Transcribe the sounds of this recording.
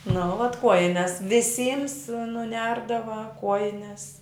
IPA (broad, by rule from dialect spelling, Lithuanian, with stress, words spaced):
nʊ ʋɐt ˈkuɔjɪnʲɛs ʋʲɪˈsʲiːms nʊˈnʲɛrdɐʋɐ ˈkuɔjɪnʲɛs